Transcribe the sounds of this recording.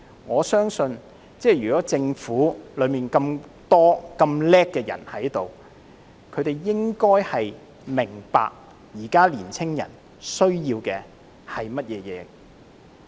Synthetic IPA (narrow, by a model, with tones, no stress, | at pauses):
ŋɔː˨˧sœː˥ŋsɵ˧n | t͡sɛː˥˩jyː˨˩kɔː˨˥t͡sɪ˧ŋfuː˨˥lɵ˨˧ɥmiː˨nkɐ˧mt̪ɔː˥kɐ˧mlɛː˥kːɛː˧jɐ̰˨˩nhɐ˨˥jt̪o˨w | kʰɵ˨˧ɥt̪e˨˩jːɪ˥ŋkɔː˥jhɐ˨j | mɪ˨˩ŋpa̰ː˧k̚ | jiː˨˩kaː˥liː˨˩nt͡sʰɪ˥ŋjɐ̰˨˩n | sɵ˥ɥjiː˧wkɛː˧ | hɐ˨jmɐ˥t̚jɛː˨˧jɛ̰ː˨˧